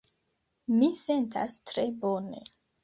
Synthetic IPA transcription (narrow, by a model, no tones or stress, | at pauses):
mise̞nta̰stɾe̞bone̞̰